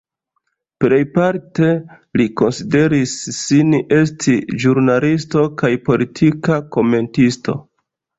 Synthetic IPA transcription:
ple̞jpaɾte̞ | liko̞nside̞ɾisːinʔe̞stʰiʒuɾnalisto̞kajpo̞litʰikako̞me̞ntisto̞̰

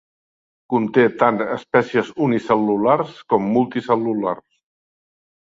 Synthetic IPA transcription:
kunt̪et̪anəspɛsiəzunisəlːularskɔmːulˠt̪isəlula̰rs

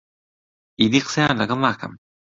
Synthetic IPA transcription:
ʔidiksanakamakʰa̰m

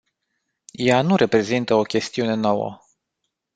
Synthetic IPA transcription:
januɾʔe̞pɾe̞zint̪əo̞kʲe̞st̪iune̞nowə̰

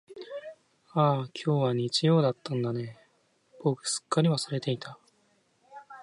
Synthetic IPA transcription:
aːkʲʰo̞ːβaɲ̟it͡ɕijo̞ːd̪at̪ːãnd̪ane̞ | b̥o̞kɯ̟̥sɨ̥kːaɾʲiβasɨɾe̞t̪e̞it̪ʰa

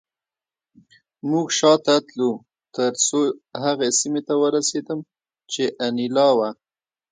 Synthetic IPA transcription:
muɡʃɑt̪at̪lu | t̪əɾsohaɣesimet̪awəɾased̪əm | t͡ʃeʔanilɑwa

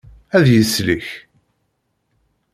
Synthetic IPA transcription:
æðjəsliç

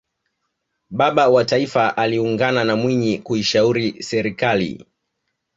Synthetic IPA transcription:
ɓaɓawataifaʔaliuŋɡananamwiɲikuiʃauɾisɛɾikalḭ

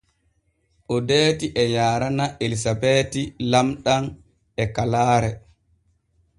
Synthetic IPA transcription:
ʔɔdeːtiʔɛɲaːɾanaʔelisabeːtilamɗan | ɛkalaːɾɛ

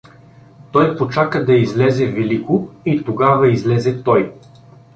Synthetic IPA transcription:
t̪ɔjpot͡ʃakɐd̪ɐizlɛzɛvɛlikʊit̪oɡavɐizlɛzɛt̪ɔj

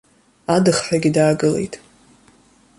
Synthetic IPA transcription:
adɨχħʷᶣaɡʲidaːɡɨle̞̰jtʼ

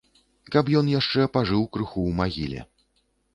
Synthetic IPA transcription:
kapjɔnjaʂt͡ʂɛpaʐɨwkɾɨxuwmaɣʲilʲɛ̰

